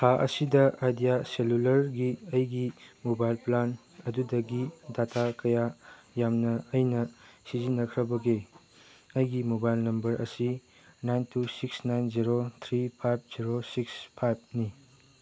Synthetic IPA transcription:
tʰaʔɐ̰sidɐʔajdijaselulɐɾɡiɐjɡimobajlplan | ɐdudɐɡidatʰakɐjajamnɐɐjnɐsizinːɐkʰɾɐbɐɡe | ɐjɡimobajlnɐmbɐɾʔɐsi | najntʰusiksnajnziɾot̪ʰɾipʰajp̚ʰziɾosikspʰajb̚ʰni

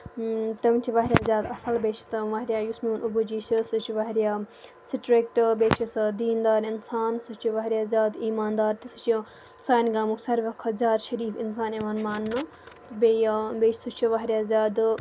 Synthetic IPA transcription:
t̪ɐʋt͡ʃ̪ʰiʋɐɦɾʲjaːzʲaːd̪ɐsɐlbeːt͡ʃʰi̥t̪ɐʋɐɦɾjaːjusmʲuːnubud͡ʒiːt͡ʃʰisɨt͡ʃʰiʋɐɦɾjaː | siʈɾek̚ʈbeːt͡ʃʰisɐd̪iːnd̪aːɾinsaːnsɨt͡ʃʰiʋɐɦɾjaːzʲaːd̪iːmaːnd̪aːɾt̪isɨ̥t͡ʃʰi | saːnɡaːmuksɐɾʋɐkʰːɐzʲaːɾʃɐɾiːfinsaːniʋaːnmaːnːɨ | t̪bejbeːt͡ʃʰsut͡ʃʰiʋɐɦɾʲjaːzʲaːd̪

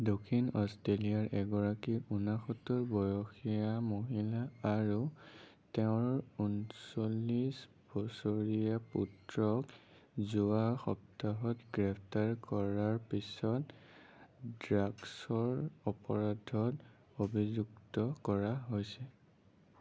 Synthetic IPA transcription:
dokʰinɔstelijaɹʔɛɡɔɹakiunaxɔtuɹbɔjɔxijamoɦilaːɹu | tɛʊ̃unsolis | b̥ɔsoɹijaputɹɔk | zuaxɔp̚taɦɔtɡɹɛpʰtaɹkɔɹaɹpisɔt | dɹaɡsɔɹɔpɔɹadʱɔt | obʱizuktɔkɔɹaɦojsɛ

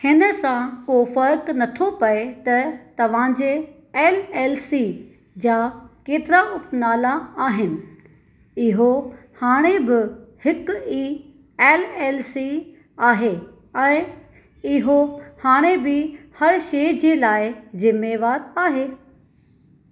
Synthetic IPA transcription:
hɪnə̆sãkoːfɐɾknɐt̪ʰopɐet̪ɐt̪ɐʋ̤ãd͡ʑeː | eːleːlsi | d͡ʑaːkeːt̪ɪɾaʔʊpnaːlaaːɦɪnɪ̆ | ɪɦo | haːɽ̃ebɪhɪkiː | eːleːlsi | aːɦeː | ɛ̃ː | ɪɦohaːɽ̃ebɪhɐɾʃeːd͡ʑeːlaːɪd͡ʑɪmːeːʋaːɾaːɦeː

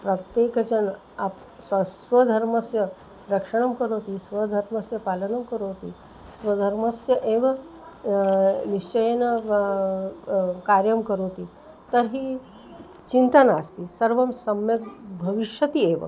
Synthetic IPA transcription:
pɾɐt̪jekɐt͡ʃɐn | ap | sɐsʋɐd̪ʱɐɾmɐsjɐ | ɾɐkʂɐɽ̃ɐmkɐɾoːt̪isʋɐd̪ʱɐɾmɐsjɐpaːlɐnɐmkɐɾoːt̪ḭ | sʋɐd̪ʱɐɾmɐsjɐʔeʋɐ | niʃt͡ʃɐjɐnɐ | kaɾjɐmkɐɾot̪i | t̪ɐɾɦi | t͡ʃint̪ana̰st̪isɐɾʋɐmsɐmjɐkbʱɐʋiʃjɐt̪ieːʋɐ̰

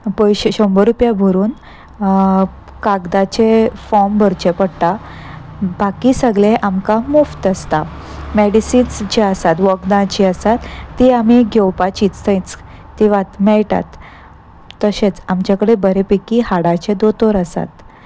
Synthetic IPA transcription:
pɔjɕɕəmbəɾupjabʱəɾuːn | kaɡd̪at͡ɕefɔɾmbʱəɾt͡ɕepəɽt̪a | bakisəɡleʔamkamuft̪əst̪a | meɽisinst͡ɕeəsat̪ʋəkd̪ãt͡ɕiəsat̪ːiamiɡewpat͡ɕiːt͡st̪ʰə̃jt͡st̪iʋãt̪mɛɭʈ̪a̰t̪ː | əɕet͡samt͡ɕjakəɽebəɾepikiɦaɽat͡ɕed̪ot̪oɾasa̰t̪

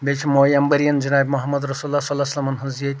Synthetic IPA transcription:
bet͡ʃʰmoːjɐmbɐɾijɐnd͡ʒɐnaːbʲmʊɦɐmːɐd̪ɾɐsullasɐlːasɐlɐmɐnɦɐzijɐt̪ʲ

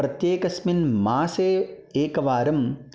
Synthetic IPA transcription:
ɾɐt̪jeːkɐsminmaːseː | eːkɐʋaːɾɐm

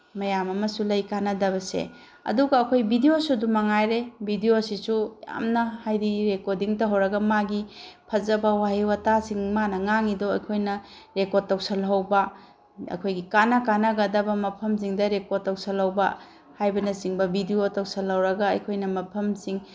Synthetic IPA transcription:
mɐjamɐmɐsulɐjkanɐdɐbɐsḛ | ɐ̰duɡɐːkʰojbʱidiosudumaŋajɾebʱidiosisuja̰mnɐhajdiɾekodiŋtɐɦɐwɾɐɡɐmaɡipʰɐzɐbɐwaɦiwatasiŋmanɐŋaŋidoɐjkʰojnɐ | ɾekod̚tːɐwsɐlɦɐwbɐ | ɐ̰kʰojɡikanɐkanɐɡɐdɐbɐmɐpʰɐms̬iŋdɐɾekod̚tːɐwsɐlɦɐwbɐ | hajbɐnɐsiŋbɐbʱidiotɐwsɐlɦɐwɾɐɡɐ̰ːjkʰojnɐmɐpʰɐmsiŋ

